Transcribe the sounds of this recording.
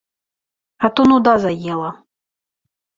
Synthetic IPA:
at̪unud̪azajɛlˠɐ

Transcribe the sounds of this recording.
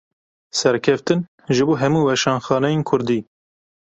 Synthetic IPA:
sɛɾkʰɛft̪ɨn | ʒɨboːɦɛmuːwɛʃɑːnxɑːnɛjeːnkʰʊɾd̪iː

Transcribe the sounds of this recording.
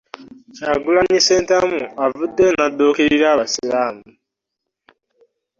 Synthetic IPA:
caɡulaɲiseːntamuavudːenadoːkeɾiɾaːβasilaːmu

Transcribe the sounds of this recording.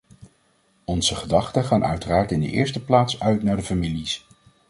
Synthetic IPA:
ɔnz̥əχədɑχtəχaːnʔœ̰ɥtəraːɹtɪndə̰ʔɪ̰ːɹstəplaːtsœɥtnaːɹdəfamilis

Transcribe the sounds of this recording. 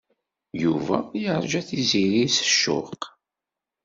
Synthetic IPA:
juvæ̰jəɾˤʒæθiziɾisə̥ʃːʊ̰q

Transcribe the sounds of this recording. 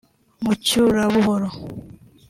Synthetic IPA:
mucuɾaβuɦoɾo

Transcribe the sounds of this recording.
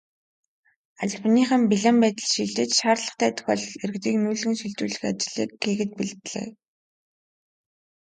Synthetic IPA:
aɮpniːχə̆mpiɮampæːt̪ə̆ɮʃiɮt̪ɘ̆t͡ɕʃaːrɮə̥̆χt̪ʰæːt̪ɵ̥xʲɔːɮerɘ̆kt̪iːknuːɮɘ̆ŋʃiɮt͡ɕ̪uːɮɘ̆xat͡ɕɪ̆ɮiːkːiːɣɘ̆t̪̚piɮt̪ɮḛː

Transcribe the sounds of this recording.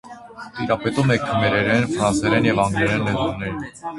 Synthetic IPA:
t̪iɾɑpɛt̪umɛkʰəmɛɾɛɾɛnfɾɑnsɛɾɛnjɛvɑŋɡɾɛɾɛnlɛd̪ɾunɛɾ

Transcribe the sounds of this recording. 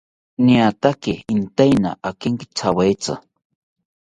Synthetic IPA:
niat̪akɪint̪ajna̰ʔakɪŋkɪ̥t͡sʰawajt͡sa̰

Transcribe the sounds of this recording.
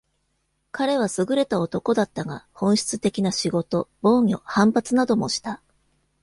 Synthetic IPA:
kaɾe̞β̞asɨɡɯ̟ɾe̞t̪ao̞t̪o̞ko̞d̪at̪ːaɡahõ̞ɰ̃ɕi̥t͡sɨt̪e̞kʲinaɕiɡo̞t̪o̞bo̞ːɲʲo̞hãmpat͡sɨnad̪o̞mo̞ɕi̥t̪a

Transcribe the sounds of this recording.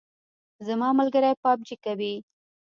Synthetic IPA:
zamɑmalɡəɾajpɑb̚d͡ʒikawi

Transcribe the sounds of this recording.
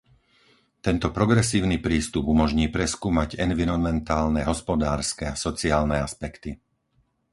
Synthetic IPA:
t̪ɛnt̪ɔpɾɔɡɾɛsiːʊnipɾiːst̪ubumɔʒɲiːpɾɛskuːmaɟɛnʋiɾɔnmɛnt̪aːlnɛɦɔspɔd̪aːɾskɛasɔt͡siaːlnɛaspɛkt̪i

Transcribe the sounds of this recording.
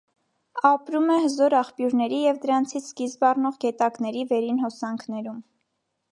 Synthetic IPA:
ɑpɾumɛhəzɔɾɑχpjuɾnɛɾijɛvd̪əɾɑnt͡sʰit͡sʰkizbɑrnɔʁɡɛt̪ɑknɛɾivɛɾinɦɔsɑŋkʰnɛɾum

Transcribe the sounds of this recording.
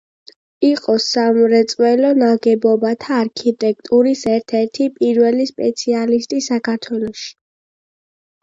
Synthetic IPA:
iqʼɔsamɾɛt̪sʼwɛlɔnaɡɛbɔbat̪ʰaːɾkʰit̪ʼɛk̚ʰt̪ʼuɾisɛɾt̪ʰɛɾt̪ʰipʼiɾwɛlispʼɛt̪sʰialist̪ʼisakʰaɾt̪ʰwɛlˠɔʃi̥

